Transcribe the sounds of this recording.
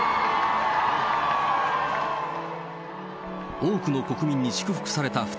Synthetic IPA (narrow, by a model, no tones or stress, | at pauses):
oːkɯ̟no̞ko̞kɯ̟mʲĩɲ̟ːiɕi̥kɯ̟ɸɯ̥kɯ̟̥saɾe̞t̪aɸɯ̥